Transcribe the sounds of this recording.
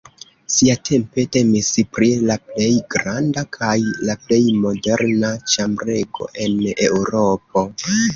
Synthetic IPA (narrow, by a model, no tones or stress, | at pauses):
siatʰe̞mpe̞te̞mispɾilaple̞jɡɾandakʰajlaple̞jmo̞de̞ɾnat͡ʃambɾe̞ɡo̞̰ʔe̞ne̞wɾo̞p̚o̞